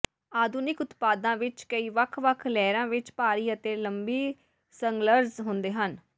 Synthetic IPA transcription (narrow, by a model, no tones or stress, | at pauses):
aːd̪uːnɪkʊt̪paːd̪ãːʋɪt͡ʃkəiːʋəkʰʋəkʰlɛːɾãːʋɪt͡ʃpaːɾiːət̪eːləmbiː | səŋɡləɾzɦʊnd̪eːɦən